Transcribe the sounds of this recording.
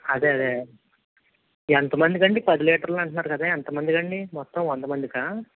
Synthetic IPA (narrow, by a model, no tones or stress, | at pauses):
ɐd̪eːɐd̪eː | ɛnt̪ɐmɐnd̪ikɐɳɖipɐd̪ileːʈɐɾloɐɳʈɐnːaːɾukɐd̪aːɛnt̪ɐmɐnd̪ikɐɳɖimɔt̪ːɐ̃mʋɔnd̪ɐmɐnd̪ikaː